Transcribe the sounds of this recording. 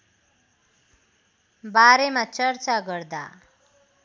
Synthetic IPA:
baɾemat͡sʌrt͡saɡʌrd̪a

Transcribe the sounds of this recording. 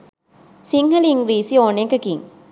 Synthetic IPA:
siŋhɐliŋɡɾiːsioːnekɐkiŋ

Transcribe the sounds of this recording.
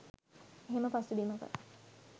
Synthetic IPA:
eɦeməpasubiməkə̰

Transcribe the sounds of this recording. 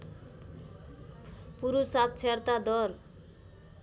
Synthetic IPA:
puɾusat̪̚t͡sʰert̪ad̪ʌr

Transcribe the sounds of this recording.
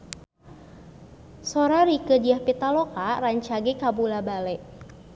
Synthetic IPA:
sɔɾaɾikədiahpit̪alɔkaraɲt͡ʃaɡekabulabalɛʔ

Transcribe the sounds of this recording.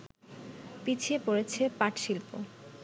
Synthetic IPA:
pit͡ɕʰiepoɾet͡ɕʰepaʈʃilpo̰

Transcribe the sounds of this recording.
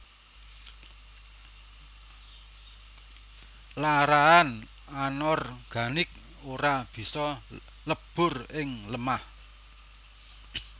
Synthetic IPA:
laɾaan | anɔrɡ̥ä̤nɪk̚ | oɾab̥i̤sɔ | ləb̥ʊ̤rɪŋləmah

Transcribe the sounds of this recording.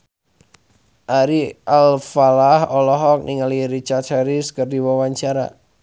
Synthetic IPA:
ʔaɾialfalahɔlɔɦɔk̚niŋəliɾit͡ʃart̪̚haɾiskərdiwɔwaɲt͡ʃaɾa̰

